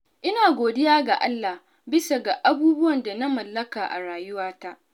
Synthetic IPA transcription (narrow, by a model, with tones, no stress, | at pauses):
ʔɪ˦naː˨ɡʷoː˨dɪ˦jaː˦ɡa˨ʔa˦lːa˨h | bɪ˦sa˨ɡa˨ʔa˦buː˦bʊ˦wɐ˨nda˨na˦mɐ˨lːɐ˦kaː˨ʔa̰˨ɽaː˨jʊ˦waː˦ta˦ʔ